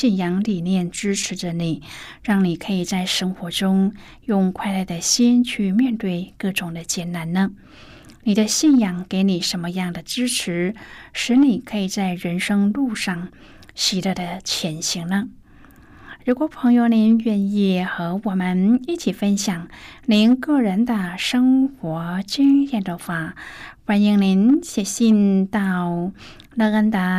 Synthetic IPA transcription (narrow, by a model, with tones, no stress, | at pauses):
i˥˩njɑ˧˥ŋli˨˩njɛ˥˩nʈ͡ʂɻ̩˥ʈ͡ʂʰɻ̩˧˥ʈ͡ʂə˧ni˨˩˦ | ɻɑ˥˩ŋni˨˩kʰɤ˧˥i˨˩t͡sa˥˩ɪʂɤ˥ŋxwɔ˧˥ʈ͡ʂʊ˥ŋ | jʊ˥˧ŋkʰwa˥˧ɪla˥˩ɪd̪ə˩ɕi˥nt͡ɕʰy˥˧mjɛ˥˧nt̪we˥˧ɪkɤ˥˩ʈ͡ʂʊ˨˩ŋd̪ə˦t͡ɕjɛ˧˩nna˧˥nnə˧ | ni˨˩d̪ə˦ɕi˥˩njɑ˨˩ŋke˧˥ɪni˨˩ʂə˧˥nmə˧jɑ˥˩ŋd̪ə˩ʈ͡ʂɻ̩˥ʈ͡ʂʰɻ̩˧˥ʂɻ̩˧˥ni˨˩kʰɤ˧˥i˨˩t͡sa˥˩ɪɻə˧˥nʂɤ˥ŋlu˥˧ʂɑ˥˩ŋ | ɕi˧˥˩ɾə˧˩d̪ə˧t͡ɕʰjɛ˧˥nɕi˧˥ŋnə˧ | ɻu˧˥kwɔ˨˧˩pʰɤ˧˥ŋjo˧ni˧˥nɥɛ˥˧ni˥˩xɤ˧˥wɔ˨˩mə˧˦ni˥˩t͡ɕʰi˨˩fə˥nɕjɑ˨˩ŋni˧˥nkɤ˥˩ɻə˧˥nd̪ə˧ʂɤ˥ŋxwɔ˧˥t͡ɕy˥ŋjɛ˥˩nd̪ə˧xwa˥˩fa˧˥ni˧˥ŋni˧˥nt͡ɕʰjɛ˨˩ɕi˥˧nt̪ɑ˥˩ʊ | lɤ˥˧ə˥nd̪ə˧˩